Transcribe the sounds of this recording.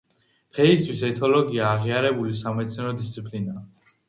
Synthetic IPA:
d̪̥ʁɛist̪ʰwisɛt̪ʰɔlɔɡiaːʁiaɾɛbulisamɛt̪snɛɾɔd̪ist̪sʰipʰlina

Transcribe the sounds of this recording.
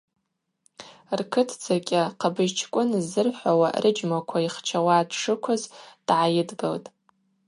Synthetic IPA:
rkʰɨtʰd͡zʰakʲʼaqʰabɨʒt͡ʃʰkʷʼʊnzːɨrħʷawa̰rʔɨd͡ʒmakʷʰaiχt͡ʃʰawaːdʂʰɨkʷʰʊzd̥ʕajɪdɡaltʼ

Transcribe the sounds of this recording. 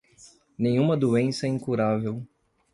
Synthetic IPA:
nẽj̃ũmɐd̪uẽsɐɛĩŋkuɾavew

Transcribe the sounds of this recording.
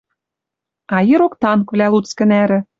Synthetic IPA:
ɑjeɾokt̪ɑŋkvlʲælut͡skɘ̆næɾɘ̆

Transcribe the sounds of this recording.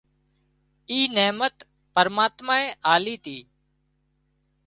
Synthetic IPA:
iːneːmət̪ | pəɾmaːt̪maːẽːʔaːliːt̪iː

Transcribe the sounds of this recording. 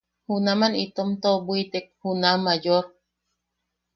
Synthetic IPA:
hunamanit̪omt̪obuit̪ek̚hunamajoɾ

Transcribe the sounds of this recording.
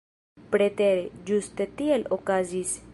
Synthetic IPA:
pɾet̪eɾed͡ʒust̪et̪ielokazis

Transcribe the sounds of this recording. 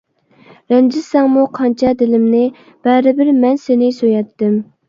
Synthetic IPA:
ɾɛnd͡ʒɪsɛŋmuqʰɑnt͡ʃʰɑd̪ɪlɪmnɪ | b̥ɛɾɪbɪɾmɛnsenɪsøjɛt̪ːɪm

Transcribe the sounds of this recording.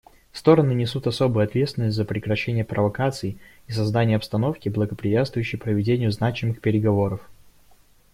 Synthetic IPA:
fst̪o̞ɾənɨnʲɪsut̪ɐso̞bɨjʊɐt̪vʲet̪st̪vɪnːəsʲtʲzəpɾʲɪkɾɐɕːenʲɪjəpɾəvɐkat̪sɨɪ | isɐzd̪anʲɪjəɐpst̪ɐno̞fkʲɪblˠəɡəpɾʲɪvʲat̪st̪vʊjʉɕːɪjpɾəvʲɪdʲenʲɪjʊznat͡ɕɪmɨxpʲɪɾʲɪɡɐvo̞ɾəf

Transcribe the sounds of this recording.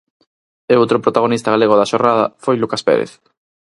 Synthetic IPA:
eowt̪ɾopɾot̪aɣ̞onist̪aɣ̞aleɣoðaʃornaðɐ̰fojlukaspḛɾḛθ

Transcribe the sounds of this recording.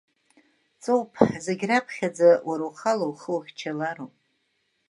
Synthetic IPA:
t͡sʼowpʰħzeɡʲrapʰχʲad͡zawaɾawχalowχəwχʲt͡ʃʰalaɾowpʼ

